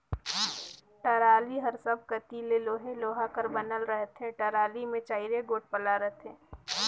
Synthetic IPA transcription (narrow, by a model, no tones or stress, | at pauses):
ʈɐɾaːliɦɐɾsəb̚ʱkɐt̪ileloːɦẽloːɦakəɾbənəlɾəɦt̪ɦɛ̃ʈɐɾaːlimẽt͡ʃaːɪɾeɡoːʈ̚pəlaːɾət̪ɦɛ̃ː